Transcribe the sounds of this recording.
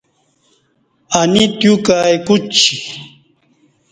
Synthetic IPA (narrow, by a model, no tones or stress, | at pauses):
anit̪jukajkut͡ɕʰi